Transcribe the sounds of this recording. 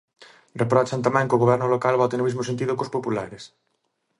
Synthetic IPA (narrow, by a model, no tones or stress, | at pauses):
repɾɔt͡ʃant̪amɛ̃ŋkoɣoβ̞ɛɾnʊlokalβɔt̪enomizmosent̪̬iðʊkospopula̰ɾes